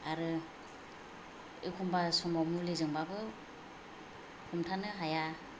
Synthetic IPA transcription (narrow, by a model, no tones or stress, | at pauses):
aɾɯ | ḛkʰumbasɔmɔmulezɯŋbabɯ | hʰumtʰanɯɦaja